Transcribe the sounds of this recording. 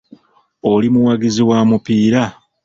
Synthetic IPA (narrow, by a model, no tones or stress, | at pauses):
olimuwaɡiziwamupiːɾa